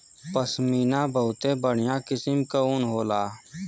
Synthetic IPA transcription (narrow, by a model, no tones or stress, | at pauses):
pəsmiːnabəɦʊt̪ẽbəɽ̤ɪjãkɪsɪmkaʊnɦoːlaː